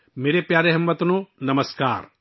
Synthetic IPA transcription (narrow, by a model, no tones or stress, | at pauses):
meːɾepjaːɾeɦɐmːɐt̪nonɐməska̰ːɾ